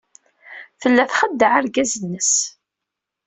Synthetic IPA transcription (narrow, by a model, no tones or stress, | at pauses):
fəlːæθχəd̪ːəʕaɾɡæzənːəs